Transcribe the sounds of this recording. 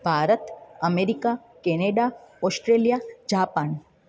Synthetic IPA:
bʱaːɾət̪ɐmeːɾika | keːneːɖaɔːsʈɾeːlijad͡ʒaːpaːn

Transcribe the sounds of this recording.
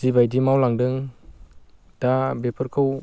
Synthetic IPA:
zibajdimawlaŋdɯŋ | d̥abepʰɯɾkʰɯw

